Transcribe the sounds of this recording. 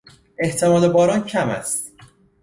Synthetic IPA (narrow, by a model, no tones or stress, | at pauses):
ʔe̞ht̪ʰemɒːd̪ebɒːɾɒːncʰæmæ̰st̪